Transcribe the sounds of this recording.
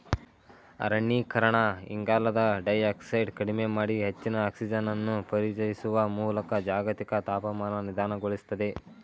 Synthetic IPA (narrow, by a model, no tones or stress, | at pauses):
ɐ̰ɾɐɳːikʰɐɾɐɳɐḭŋɡaːlɐd̪ɐɖɐjaːksɐjɖkɐɽimemaːɽiɦet͡ʃːinɐːksid͡ʒɐnɐnːupɐɾit͡ʃɐjisuʋɐmuːlɐkɐd͡ʒaːɡɐt̪ikɐt̪aːpɐmaːnɐnid̪aːnɐɡoɭist̪ɐd̪e̞